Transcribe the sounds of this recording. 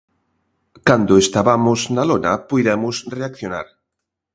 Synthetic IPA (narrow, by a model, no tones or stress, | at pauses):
kand̪ʊest̪aβamʊznalonapujðɛmʊsreakθjona̰ɾ